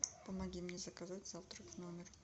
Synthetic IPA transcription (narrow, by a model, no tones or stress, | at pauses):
pamaɡʲimnʲezakazatʲzaft̪rfʲnomʲɪr